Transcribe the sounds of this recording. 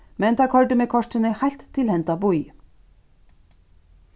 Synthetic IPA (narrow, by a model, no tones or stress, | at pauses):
mɛnt̪ʰaɾkʰɔɹt̪ɪmɛkʰɔʂʈɪnɪhajl̥t̪ʰːɪlhɛnt̪abuj